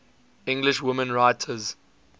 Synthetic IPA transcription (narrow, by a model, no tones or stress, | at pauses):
ɪ̃ŋɡlɪʃwʊmə̃nɹaɪtʰəz